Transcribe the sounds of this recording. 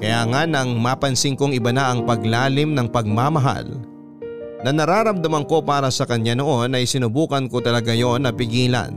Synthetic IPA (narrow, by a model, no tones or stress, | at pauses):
kɐjaːŋanɐŋmaːpɐnsɪŋko̞ŋɪbɐnɐʔɐŋpɐɡlaːlɪmnɐŋpɐɡ̚maːmɐɦa̰l | nɐnɐɾaːɾɐmd̪ɐmɐŋko̞paːɾɐsɐkɐɲːano̞ʔo̞nɐjsɪnʊbuːkɐnko̞t̪ɐlɐɡajo̞nːɐpɪɡiːlɐ̰n